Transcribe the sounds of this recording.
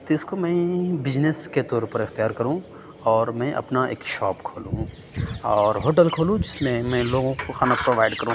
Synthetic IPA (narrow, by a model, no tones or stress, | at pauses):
t̪oɪskomɛ̃bɪd͡ʒnesket̪ɔːɾpɐɾɪxt̪ijaːɾkɐɾũ | ɔːɾmɛ̃ʔɐ̰pnaḛːkʃɔːpkʰoːlṵ̃ | ɔːɾɦoːʈəlkʰoːlũd͡ʒɪsmẽmɛ̃loːɡõkoxaːnapɾoːʋaːɪɖkɐɾũ